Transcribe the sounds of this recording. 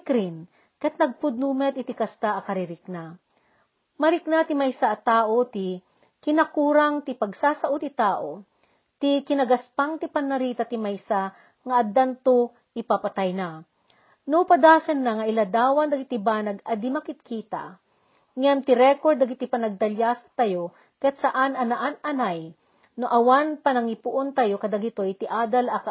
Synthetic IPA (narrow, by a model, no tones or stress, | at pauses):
kɾin | kɐt̪̚nɐɡ̚pʊd̪̚numɛt̪ɪt̪ikɐst̪aʔɐkɐɾɪɾɪk̚na | mɐɾɪknat̪ɪmajsaʔɐt̪aːʔot̪ɪ | kɪnɐkuːɾaŋt̪ɪpɐɡsaːsɐʔot̪ɪt̪aːʔo | t̪ɪkɪnɐɡɐspaŋt̪ɪpɐnːɐɾiːt̪ɐt̪ɪmajsa | ŋɐʔɐd̪ant̪o | ʔɪpapɐt̪ajna | nopɐd̪aːsɐnːaŋɐʔɪlad̪aːwɐnd̪ɐɡɪt̪ɪbaːnɐɡɐd̪ɪmakɪt̪̚kʰit̪a̰ | ŋamt̪ɪɾɛkoɹd̪ɐɡɪt̪ipɐnɐɡ̚d̪ɐljasɐ̥t̪ɐjo | kɐjat̪sɐʔanʔɐnaʔanɐnaj | noʔɐwanpɐnɐŋɪpʊʔont̪ajokɐd̪aɡɪt̪ojt̪ɪʔaːd̪alɐk